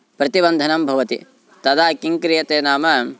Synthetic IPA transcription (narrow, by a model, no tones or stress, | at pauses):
pɾɐt̪ibɐnd̪ʱɐnɐmbʱɐʋɐt̪ḭ | t̪ɐd̪aːkiŋkɾijɐt̪eːnaːmɐ